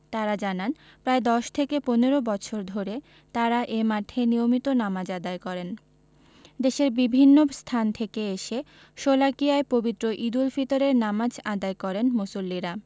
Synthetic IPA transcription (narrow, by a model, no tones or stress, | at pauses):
t̪aɾad͡ʑanan | pɾaed̪ɔʃt̪ʰekeponeɾobɔtːɕʰoɾd̪ʱoɾe | t̪aɾaʔemaʈʰenijomit̪onamad͡ʑad̪aekɔɾen | d̪eʃeɾbibʱinːost̪ʰant̪ʰekeeʃe | ʃolakiaepobit̪ːɾoʔid̪ulfit̪oɾeɾnamad͡ʑad̪aekɔɾenmosulːiɾa